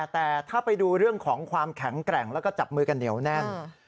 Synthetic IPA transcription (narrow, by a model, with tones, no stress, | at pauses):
t̪ɛː˨˩t̪ʰaː˥˩pa˧jduː˧ɾɯ˥˩əŋkʰɔː˩˦ŋkʰwaː˧mkʰɛ˩˦ŋkɾɛ˨˩ŋlɛː˦˥wkɔː˥˩t͡ɕa˨˩p̚mɯː˧ka˧nːi˩˦əwnɛ˥˩n